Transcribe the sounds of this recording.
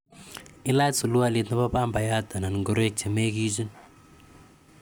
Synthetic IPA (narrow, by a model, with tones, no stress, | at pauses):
i˦la˦tsu˨lu˦alet̪na˦βa˦pa˦mba˨ja˦t̪a˨na˨nŋɡo˦ɾe˦k̚t͡ʃeme˦kizi˦n